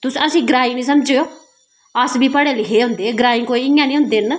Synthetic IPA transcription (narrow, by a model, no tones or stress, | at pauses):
t̪ʊsəsĩːɡɾaːĩːnĩːs̬əmd͡ʒeːoː | əsbiːpəɽeːliːɦeːɦʊ̃nd̪eːɡɾaːɪ̃ŋkoːiɪjãːnĩːɦʊ̃nd̪eːn